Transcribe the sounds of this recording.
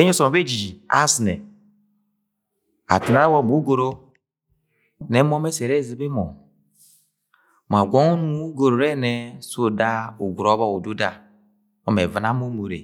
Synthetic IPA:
e˦ɲo˦sɔ˨be˦d͡ʒi˨a̰˦snɛ˨ | a̰˨ti˨na˦a˦wɔ˦˨mo˨˦ɡo˨ɾo˦ | nɛ˨˦m˦ɔ˦mɛ˦sɛ˨ɾɛ˦˨zi˨˦be˦mɔ˨ | m˨a˨ɡʷɔ˦ŋu˦nu˦u˦ɡo˨ɾo˨ɾɛ˦nɛ˨so˦da˦o˨ɡʷu˨ɾɔ˦βa˦o˨do˦da˨ | ɔ˦mɛ˨va˨na˦mo˦mo˨ɾḛ˨

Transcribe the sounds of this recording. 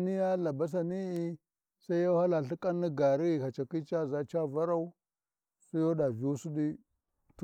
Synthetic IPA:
ni˦ja˦la˨ba˦s̬a˨ni˦i˦ | sa˦i˦ja˦ha˦la˨ɬi˦kʼa˦nːi˦ɡa˨ɾi˦i˨ka˨t͡ʃa˨ki˦t͡ʃa˦˨za˦t͡ʃa˦˨va˦ɾa˦u˦ | su˦jo˦da˨vi˨u˦su˦ɗi˦ | t

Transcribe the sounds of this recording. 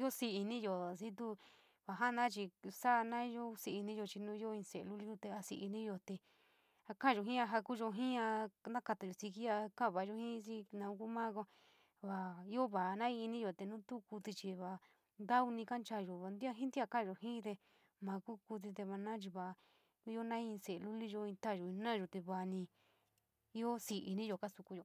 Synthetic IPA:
o˦si˧i˧nĩ˦jo˨s̬i˦t̪̬u˦ | βa˨ɦa˦˧nã˦t͡ʃi˧sa˦˧nã˦jo˦si˧i˧nĩ˦jo˧t͡ʃi˧nũː˦i˦o˦ĩ˧se˨˧˨lu˦li˦o˧t̪e˧a˧si˧ʔi˧nĩ˦jo˧t̪e˧ | a˧kã˦˨ʒo˧ɦĩ˦a˧ɦa˧ku˦ʒo˧ɦĩ˦ã˧nã˦ka˧t̪a˨jo˨si˧ki˦a˧kã˦˨βa˨˦ʒo˧hĩ˦s̬i˦nã˧ũ˧ku˦mã˦ko˧ | βa˧˨i˦o˦βa˨˧nã˦ĩ˧i˧nĩ˦ʒo˨t̪e˧nũ˦t̪u˦ku˧t̪i˧t͡ʃi˧βa˨˧ | nd̪a˦u˧nĩ˧ka˦nt͡ʃa˧ʒo˨βa˨˧nd̪i˦a˧ɦĩ˦nd̪i˦a˧kã˦˧ʒo˨ɦĩ˦t̪e˧ | mã˧ku˦ku˧t̪̬i˧t̪̬e˧ma˧nã˦t͡ʃ̬i˧βa˨˧ | i˦o˦nã˦ĩ˧se˨e˧lu˦li˦ʒo˧ĩ˧t̪a˦˨ʒo˨ĩ˧nã˦ʒo˧t̪e˧βa˧nĩ˧ | i˦o˦si˧ʔi˧nĩ˦ʒo˧ka˦su˧ku˧jo˨

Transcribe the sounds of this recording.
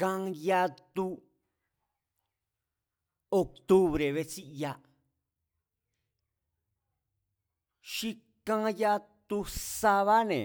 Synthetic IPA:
kã˧ja˧t̪u˧ | o˧k̚t̪u˦βɾe˨βe˧t͡ʃi˦˧ja˧ | ʃi˦˧ | kã˦˧ja˧t̪u˧sa˧βa˦nḛ̃˨

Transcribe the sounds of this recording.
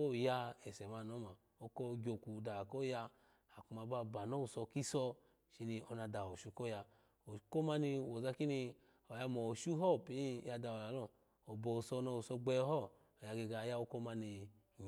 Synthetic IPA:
o˦˨ja˧ɛ˨sɛ˨ma˧˨nɔ˨˦ma˨ | o˧kɔ˦ɡʲo˧ku˨da˨kɔ˦ja˧ | a˨ku˧ma˧ba˧˨ba˨nɔ˦u˨sɔ˧ki˦sɔ˧ | ʃi˧ni˧ɔ˧na˧da˨o˨ʃu˧kɔ˦ja˧ | o˨˧ko˦ma˧ni˧wɔ˨za˧ki˦ni˧ | ɔ˨ja˧mɔ˨ʃu˦ɦɔ˦˨pi˨˦˧ja˧da˧ɔ˨la˨lɔ˦˨ | ɔ˨bɔ˨u˨sɔ˧nɔ˧u˨sɔ˧ɡ͡bɛ˧˦ɦɔ˦˨ | ɔ˨ja˧ɡe˧ɡa˧˨˦ja˦o˦kɔ˦ma˧ni˧ | ɲ˨

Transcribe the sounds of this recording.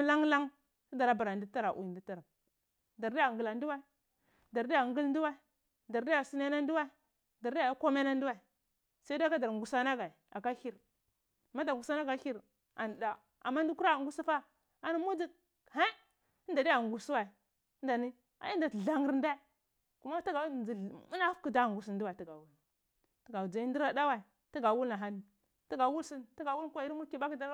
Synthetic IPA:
m˦la˦ŋla˦ŋ | a˦da˨ɾa˨ba˨a˨di˦ta˦ɾa˨ʔṵ˨ji˨ndi˦ta˨ɾa˨ | da˨ɾdi˦ja˨ɡu˨la˨ndu˦wa˦i˦ | da˨ɾdi˦ja˨ŋɡi˦ln˦du˦wa˦ | da˨ɾdi˦a˨su˦na˦na˦ndu˦wa˦i˨˦ | da˨ɾdi˦a˨˦ko˦me˦na˦n˦du˦wa˦˨ | sa˦ka˦da˨ɾŋɡu˨sa˦na˦ɡa˨a˨ka˦hi˦ɾ | ma˦da˨ŋɡu˨sa˦na˦ɡa˨˦i˦ɾ | a̰˨n˨da˨ | a̰˨mːa˦n˦du˦ku˦ɾa˦˨ŋɡu˦su˦fa˦ | a˨na˦mu˦d͡zi˦ | he˦ | nda˨da˦a˨ŋ˨ɡu˨su˦wa˨i˨˦ | nda˨ni˦ | a̰˨˦i˦da˨ɮa˨ŋi˨ɾn˦da˦ | ku˦ma˦ti˦ɡa˨˦˨i˨mu˦na˦fki˦da˦˨ŋɡu˨s̬i˨ndu˦wa˨ti˦˨ɡa˨wu˦l | ti˦ɡa˨d͡za˨i˦ndi˦ɾa˦da˦wa˨i˨ | ti˦ɡa˨wu˦lna˨ɦa˦ni˨ | ti˦ɡa˨wu˦lsi˦nti˦ɡa˨wu˦lkʷi˦ɾi˦mu˦ɾki˦ba˦ki˦da˨

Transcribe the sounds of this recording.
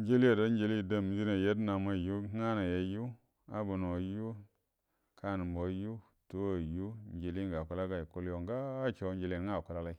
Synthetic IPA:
n˦d͡ʒe˦li˦a˨da˦n˦d͡ʒe˨li˦˨da˦˨m˨˦d͡ʒi˦na˨je˦na˨ma˦˨ju˦ŋa˦na˨je˨˦ju˦ | a˦bu˨no˨ju˦ | kʰa˦n˨mbo˨ju˦ | to˦a˨ju˦n˦d͡ʒe˨li˦ŋɡa˨ku˦la˦ɡa˨ku˦ljo˨ŋɡaː˦t͡ʃo˨˦n˦d͡ʒe˨li˦˨ŋa˦˨ku˦la˦la˦i˦

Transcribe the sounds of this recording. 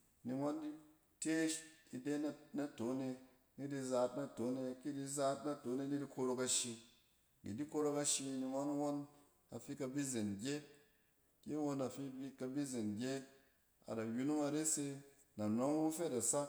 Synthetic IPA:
ni˧ŋʷa˦ndi˦ | te˦ʃi˧de˦n˦na˦to˨˦ne˧ | ni˦di˧za˧tna˨to˨˦ne˧ki˦di˧za˧˦tna˦to˨˦ne˧ni˦di˦ko˧ɾo˧ka˧ʃi˧ | ɡḭ˨di˦ko˧ɾo˧ka˧ʃi˧ni˧ŋʷa˦n˦wo˦n | a˨fi˦ka˧bi˦ze˨nɡʲe˦t̚ | ki˦wo˦na˨fi˦bi˦ka˧bi˦ze˨nɡʲe˦t̚ | a̰˨da˨ju˦nu˦ŋa˧ɾe˦se˧ | na˨nʷo˦ŋu˦fe˦˨da˨sa˦

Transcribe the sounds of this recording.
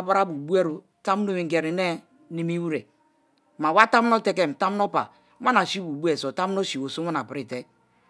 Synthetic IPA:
ba˦ɾa˦bu˨bu˦e˦ɾu˨ | ta˦m˦no˦mi˨˦ɡe˨ɾi˨ne˦ | ni˨mi˦wu˦ɾe˨ | ma˨wa˦ta˦m˦no˦te˦ke˦m̩˨ta˦m˦no˦pa̰˨ | ma˦na˨si˦bu˨bu˦e˨so˨ta˦m˦no˦ʃi˨wo˨so˦ma˦na˨pɾi˨te˦k̚

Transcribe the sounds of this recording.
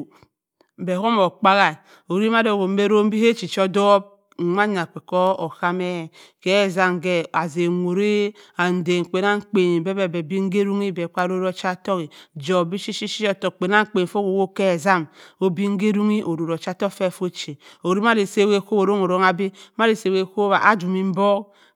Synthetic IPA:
be˨ko˦mo˨k͡pa˦ɣa˨ | o˨ɾi˦ma˦do˨ɡo˨˦e˦ɾo˦m̩˦bi˦he˦t͡ʃi˨t͡ʃo˦do˦b̩̚˨˦ | a˦ɲa˨k͡pe˨ko˦o˨ka˦me˦˨ke˦˨za˦mɡe˦a˨ze˨ŋʷo˨ɾe˦a˨n̩˨de˨ŋ˨k͡pe˨na˦ŋ̩˦k͡pe˨ni˨be˦be˨be˨bi˦ŋ̩˦ɡe˦ɾu˦ŋi˦be˨k͡pa˦ɾo˦ɾo˦t͡ʃa˦to˦ɣi˨d͡ʒo˨bi˦ʃi˦ʃi˦ʃi˦o˦˨to˨k͡pe˨na˦ŋ̩˦k͡pe˨n˨fo˦ko˨wo˦ke˦˨za˦mo˦bi˦ŋ̩˦ɡe˦ɾu˦ŋi˦ʔo˨ɾo˨ɾo˨t͡ʃa˦to˦fe˦˨fo˦t͡ʃe˨o˨ɾi˦ma˦ɾi˨se˦˨we˦˨ko˦o˨ɾo˦ŋo˨ɾo˦ŋa˦bi˦ma˦ɾi˨se˨we˦˨ko˦βa˨ʔa˨d͡ʒu˨mi˦m̩˦bo˦k

